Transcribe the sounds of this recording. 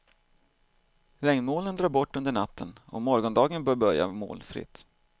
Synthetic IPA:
ɾɛŋnmoːlənd̪ɾɑːɾbɔʈːɵnd̪əɳat̪ʰːənɔ̰mɔɾɡɔnd̪ɑːɡənbœːɾbœɾja̰mo̰ːlfɾɪ̰t̪ː

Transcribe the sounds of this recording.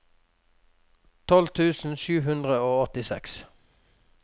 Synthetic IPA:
t̪ʰɔlt̪ʰʉːsn̩ʃʉːɦʉnd̪ʁəoːɔt̪ɪsɛ̰ks

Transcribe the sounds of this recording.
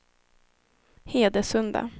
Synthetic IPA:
heːd̪əsɵnd̪a̰

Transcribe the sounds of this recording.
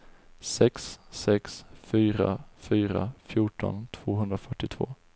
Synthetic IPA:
sɛksːɛksfyːɾa̰fyːɾafjʊʈɔ̰nt̪ʰv̥oːɦɵnd̪ɾafœʈːɪt̪ʰv̥o̰ː

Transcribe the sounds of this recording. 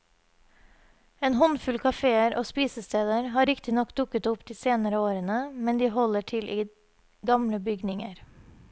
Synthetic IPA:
eːnhɔnfʉlkʰɑfeːəɾʔo̰ːspiːsəst̪eːd̪əɾɦɑːɾɪkt̪ɪnɔkd̪ʊkət̪ʊpd̪iːseːnəɾəoːɾənəmɛnd̪iːhɔləʈʰɪlʔiː | ɡɑmləbʏɡnɪŋəɾ

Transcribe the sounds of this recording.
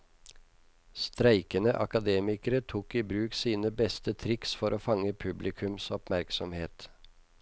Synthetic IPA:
st̪ɾæɪkənəʔɑ̰kɑd̪eːmɪkəɾət̪ʰuːkiːbɾʉːksiːnəbɛst̪ət̪ʰɾɪksfɔɾoːfɑŋəpʰʉblɪkʰʉmsɔpmæɾksɔmheːt̪

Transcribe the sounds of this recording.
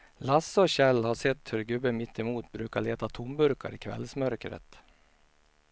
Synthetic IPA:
lasːəɔɕɛlːhaʂɛt̪ːhɵɾɡɵbəmɪt̪ʰːɛmuːt̪bɾʉ̟ːkaɭeːt̪at̪ʰʊmbɵɾka̰ɾɪkʰvɛ̰lsmœɾkɾə̰t̪

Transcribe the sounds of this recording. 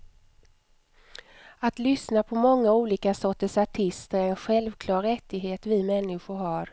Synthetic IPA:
at̪lʏsnapʰɔmɔŋːauːliːkasɔʈ̪ːəʂaʈʰɪst̪əɾæɾɛnɧɛlvkʰlɑːɾɛt̪ːɪɡɦeːt̪vɪmɛnːɪɧʊɾɦaɾ

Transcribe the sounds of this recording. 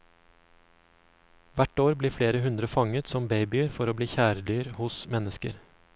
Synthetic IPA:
ʋæʈoːɾbliːfleːɾəɦʉnd̪ɾəfɑŋət̪sɔmbeɪbɪəɾfɔɾoːbliːçæːɾəd̪yːɾhʊsmɛnəskə̰ɾ

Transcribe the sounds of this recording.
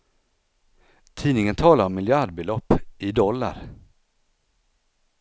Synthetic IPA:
t̪ʰiːnɪŋənt̪ʰɑːlaɾɔmːɪljaɖbɛlɔpːʔɪd̪ɔlːa̰ɾ

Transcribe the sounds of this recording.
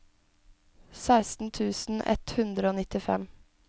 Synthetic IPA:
sæɪst̪n̩t̪ʰʉːsn̩ʔɛ̰t̪hʉnd̪ɾəoːnɪt̪ɪfɛ̰m

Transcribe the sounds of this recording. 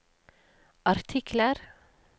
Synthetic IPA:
ʔɑɾt̪ʰɪkləɾ

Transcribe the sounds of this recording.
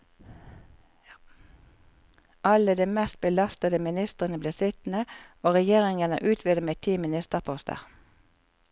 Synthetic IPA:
ʔɑləd̪eːmɛst̪̚bəlɑst̪əd̪əmɪnɪst̪əʁənəbliːʁsɪt̪nəoːʁɛjeːʁɪŋənə̰ʔʉːt̪ʰʋɪːd̪əmeːt̪ʰiːmɪnɪst̪əʁpʰɔst̪ə̰ʁ

